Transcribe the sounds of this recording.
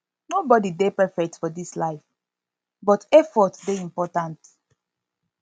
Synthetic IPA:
nobɔdidepɛfɛk̚tfɔdislaɪf | bɔtɛfɔtdeĩmpɔtãnt

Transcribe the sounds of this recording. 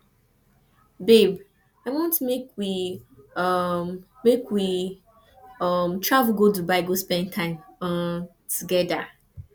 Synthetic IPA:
beb | aɪwɔ̃ntmekwi | ʌmː | ekwi | ʌmtʰɹavɡodubaɪɡospɛ̃ntʰãɪ̃m | tʰuɡɛda

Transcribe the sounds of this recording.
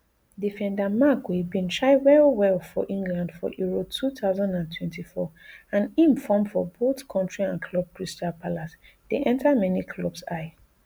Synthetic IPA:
difɛ̃ndamaɡwebĩnʃaɪwɛlwɛlfɔʔĩŋɡlãndfɔ̰ʔjiɹotʰuθaʊzãndãntʰwɛ̃ntifɔ | ãnĩmfɔ̃mfɔboθkʰɔ̃ntɹiãnkʰlɔb̥̚kʰɹistapʰalas | d̥eʔɛ̃ntʰamɛnikʰlɔbsaɪ

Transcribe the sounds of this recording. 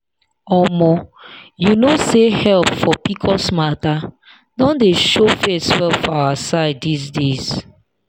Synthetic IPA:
ɔmɔjunosehɛlpfɔpikʰɔsmata | dɔ̃ndeʃofesfɛfawasaɪdis̬dez̥

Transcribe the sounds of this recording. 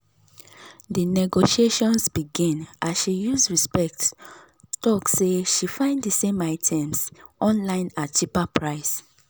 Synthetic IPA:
dinɛɡoʃieʃɔ̃nsbiɡĩnʔasʃijuzɹispɛk̚t | tɔkseʃifãɪ̃ndisẽmaɪtʰɛ̃msʔɔ̃nlãɪ̃nat͡ʃipapʰɹaɪs

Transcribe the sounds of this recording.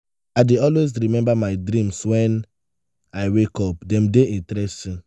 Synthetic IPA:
aɪdeɔlwesɾimɛ̃mbamaɪdɾĩmswɛ̃n | aɪwekɔp̚dɛ̃mdeĩntɾɛstĩn

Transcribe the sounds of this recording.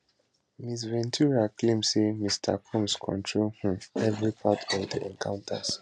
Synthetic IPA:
mis̬vɛ̃ntʰuɹaklẽmsemistʰa̰kʰɔ̃mskʰɔ̰̃ntʰɹolhĩɛvɹipʰatʰɔvdiʔɛ̃nkʰãʊ̃ntʰə̰z̥

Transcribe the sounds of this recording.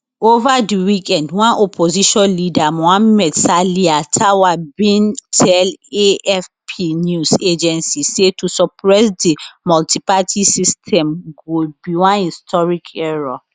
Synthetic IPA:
ovadiwikʰɛ̃ndwãnʔopʰoziʃɔ̃nlidamɔãnmɛdsaliatʰawabĩntʰɛleɛfpʰinused͡ʒɛ̃nsisetusɔpʰɹɛsdimɔltipatʰisistʰɛ̃mɡobiwãnhistʰɔɹikʰɛɹɔ

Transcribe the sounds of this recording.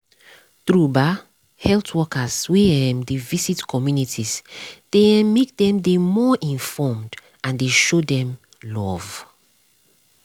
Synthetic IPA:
tɹuba | hɛltwɔkʰaz̥wiɛ̃mdevisitkʰɔmjunitʰizd̥emek̚dɛ̃mdemɔʔĩnfɔmd | ãndeʃodɛ̃m | lɔv

